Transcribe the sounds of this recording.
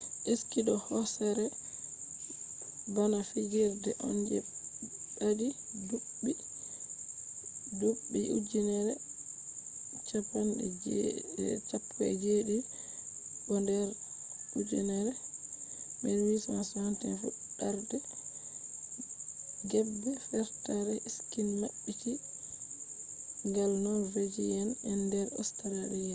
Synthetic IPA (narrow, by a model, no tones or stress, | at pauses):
ʔeskiɗɔhɔsɛɾɛ | banafiɡɛɾdɛ̰ʔɔ̰nd͡ʒɛɗadi | duɓːi | dubːiʔṵd͡ʒinɛɾɛ | t͡ʃapanɛ̰d͡ʒ̰ | t͡ʃapːɛ̰d͡ʒeɗi | bɔndɛɾ | ud͡ʒinɛɾɛ | mɛnwismasantɛnfṵ | ɗaɾdɛ | ɡɛbːɛfɛɾtaɾɛiskinmaɓːiki | ŋɡalnɔɾved͡ʒijɛnɛndɛɾɔ̰staɾaɾijɛ